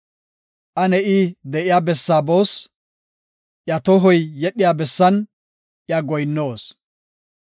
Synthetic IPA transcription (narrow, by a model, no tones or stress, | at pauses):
ʔɐnɛʔiːd̪ɛʔɪjaːbɛsːaːboːs | ʔjɐt̪ɔɦɔjːɛɗːɪjaːbɛsːɐn | ʔjɐɡɔjnːoːs